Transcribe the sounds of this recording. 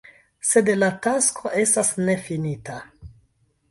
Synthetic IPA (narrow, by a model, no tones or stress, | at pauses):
se̞dlataskʰo̞ʔe̞stasne̞finitʰa